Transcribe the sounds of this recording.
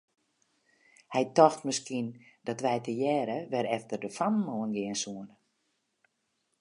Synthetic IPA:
hɛjtɔxtməskindɔtʋɛjtəjɛːɾəʋɛɾɛftərdəfanmoənɡɪənsuənə

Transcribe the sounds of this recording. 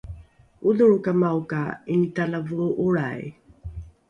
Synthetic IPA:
uduɻukamawkainitalavuɾuʔuɭaj

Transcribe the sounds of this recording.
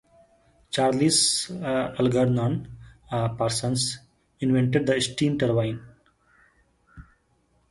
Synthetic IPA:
t͡ʃaːɾlis | əlɡəɾnãːn | pəɾsə̃ns | ɪ̃nʋẽɳʈeɖ̚d̪əɪsʈĩːnʈəɾʋãɪ̃n

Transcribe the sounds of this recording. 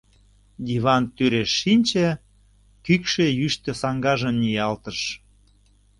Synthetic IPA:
d̪ʲiβɑnt̪yɾeʃːinʲt͡ɕĕ | kykʃejyʃt̪ĕsɑŋɡɑʒəmnʲijɑlt̪əʃ

